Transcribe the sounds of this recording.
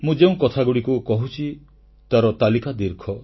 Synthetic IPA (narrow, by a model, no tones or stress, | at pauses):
mũd͡ʒeũkɔt̪ʰaɡuɽikukɔɦut͡ʃʰi | t̪aɾɔt̪alikad̪iɾkʰɔ